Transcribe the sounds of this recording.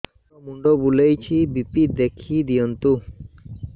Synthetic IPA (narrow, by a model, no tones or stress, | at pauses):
omuɳɖobulejt͡ɕʰibipid̪ekʰid̪iont̪u